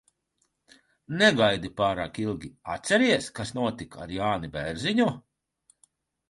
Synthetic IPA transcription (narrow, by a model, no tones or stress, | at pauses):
nɛɡajd̪ipaːɾaːkilˠɡʲia̰t̪sʲɛɾiɛskasnuɔt̪ika̰ɾjaːnibɛɾziɲu